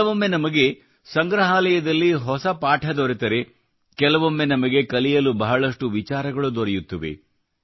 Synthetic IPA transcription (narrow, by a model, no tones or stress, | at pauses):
ɐʋomːe̞nɐmɐɡe̞ | sɐŋɡɾɐɦaːlɐjɐd̪ɐlːiɦɔsɐpaːʈʰɐd̪oɾit̪ɐɾe | kɛlɐʋomːe̞nɐmɐɡe̞kɐlijɐlubɐɦɐɭɐʂʈuʋit͡ʃaːɾɐɡɐɭud̪ɔɾɐjut̪ːɐʋḛ